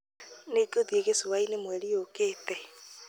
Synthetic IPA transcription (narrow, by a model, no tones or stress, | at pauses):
neɡoðieɣesowainemwɛɾiokeːtɛ